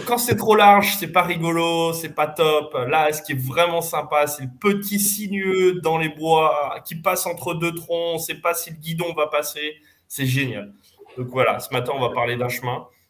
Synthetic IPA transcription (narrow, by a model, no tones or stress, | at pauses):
kɑ̃sɛt̪χolaʁʒsɛpaʁiɡɔlosɛpat̪ɔplasə̥kʲiɛvʁɛmɑ̃sɛ̃pasɛləpət̪ʰisinɥød̪ɑ̃lebwakʲipasɑ̃t̪χəd̪øt̪χɔ̃ɔ̃sɛpasiləɡʲid̪ɔ̃vapase | sɛʒenja̰l | d̪ɔ̃kvwala̰səmat̪ɛ̃ɔ̃vapaʁled̪ɛ̃ʃmɛ̃